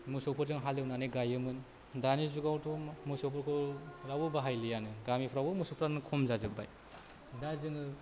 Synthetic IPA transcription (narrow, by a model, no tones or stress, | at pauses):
musɔpʰɯɾzɯŋɦalɯwnanɯɡajɯmɯn | danizuɡawtʰɔmusɔpʰɔɾkʰɔɾabubaɦajlɯjanɯɡamipʰɾabɯmusɔpʰɾanɯkʰɔmzazɯk̚ba̰j | dazɯŋɯ